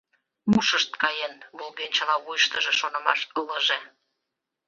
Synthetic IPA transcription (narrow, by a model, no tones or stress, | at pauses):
muʃəʃt̪kɑjenβolˠɣent͡ɕəlɑβujəʃt̪əʒĕʃonə̆mɑ̰ʃələʒe